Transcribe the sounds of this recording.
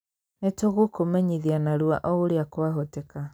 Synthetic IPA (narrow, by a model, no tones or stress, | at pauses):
netoɣokomɛɲiðianaɾua̰ʔɔoɾeakwaɦotɛka